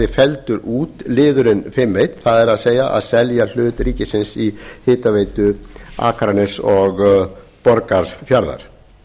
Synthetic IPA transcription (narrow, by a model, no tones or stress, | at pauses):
ɪfɛlt̪ʏɾʔuːt̪lɪːðʏɾɪnfɪmːeːjt̪θaðɛɾaðseːjaʔa̰ðsɛljal̥ʏːt̪ɾiːcɪsɪnsihɪːt̪aveːjt̪ʏa̰ːkɾanɪsɔɣ | pɔɾkaɾ̥fjaɾða̰ɾ̥